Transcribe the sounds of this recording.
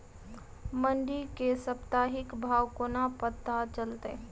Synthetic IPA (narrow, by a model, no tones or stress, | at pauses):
məɳɖikesəpt̪aːɦɪkbʱaːwkonapət̪ːat͡ʃəlt̪ḛ